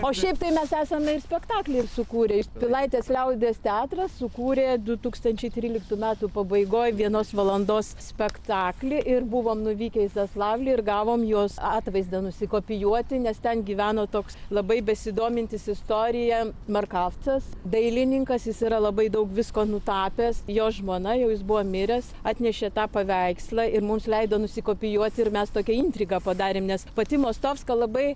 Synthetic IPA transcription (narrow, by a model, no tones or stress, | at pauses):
oːʃʲɛɪp̚t̪ɐɪmʲɛsæːsɐmʲɛɪrsʲpʲɛkt̪ɑːklʲɪɪrsʊkuːɾʲeːjɪpʲɪlˠɐɪt̪ʲeːslʲɛʊd̪ʲeːst̪ʲɛɑːt̪rɐssʊkuːɾʲeːd̪ʊt̪uːkst̪ɐnʲt͡ʃʲɛɪt̪ʲɾʲiːlʲɪkt̪uːmʲæːt̪upɐbɐɪɡoːjʋʲiɛnoːsʋɐlˠɐnd̪oːssʲpʲɛkt̪ɑːklʲɪʔɪrbuʋoːmnʊʋʲiːkʲɛɪsɐslˠɑːʋlʲɪɪrɡɑːʋoːmjuɔsɑːt̪ʋɐɪzd̪ɐnʊsʲɪkoːpʲɪjuɔt̪ʲɪnʲɛst̪ʲɛnɡʲiːʋʲæːnoːt̪oːkslˠɐbɐɪbʲɛsʲɪd̪oːmʲɪnʲt̪ʲɪsɪst̪oːɾʲɪjɛmɐrkɑft͡sɐsd̪ɐɪlʲɪnʲɪŋkɐsjɪsiːɾɐlˠɐbɐɪd̪ɐʊkʋʲɪskoːnʊt̪ɑːpʲeːsjoːʒmoːnɐjɛʊjɪsbuʋoːmʲɪɾʲɛs | ɑːt̪ʲnʲɛʃʲɛt̪ɑːpɐʋʲɛɪkslˠɐɪrmʊmslʲɛɪd̪oːnʊsʲɪkoːpʲɪjuɔt̪ʲɪrmʲɛst̪oːkʲɛinʲt̪ʲɾʲiɡɑpɐd̪ɑːɾʲeːmnʲɛspɐt̪ʲɪmoːst̪oːfskɐlˠɐbɐɪ